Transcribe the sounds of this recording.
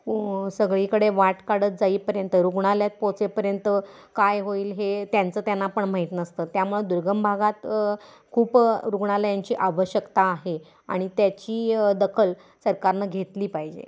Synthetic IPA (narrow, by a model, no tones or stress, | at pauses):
səɡɭikəɽeʋaʈkaɽət̪̚d͡zaiːpəɾjənt̪əɾuɡɳaljat̪̚pot͡sepəɾjənt̪ə | kajɦoiːlɦet̪jant͡səːt̪janːapəɳm̤aɦit̪nəst̪əːt̪jamuɭed̪uɾɡəmbʱaɡat̪ | kʰuːpɾuɡɳ̃alajaɲt͡ɕiːʔaʋəɕjəkt̪aːɦe | a̰ɽ̃it̪jat͡ɕiːd̪əkʰəl | səɾkaɾnaɡʱet̪liːpaɦid͡ʑḛ